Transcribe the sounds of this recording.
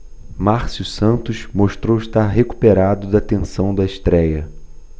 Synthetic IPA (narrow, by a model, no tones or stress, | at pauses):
maɾsjusɐ̃nt̪ʊʃmoʃt̪ɾowɪʃt̪aɾɦeku̥peɾad̪ʊd̪ɐt̪ẽsɐ̃w̃d̪ɐɪʃt̪ɾɛjɐ